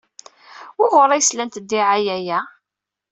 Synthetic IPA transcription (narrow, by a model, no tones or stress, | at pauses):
wʊʁʊɾˤæjslænt̪d̪ːiʕajæjæ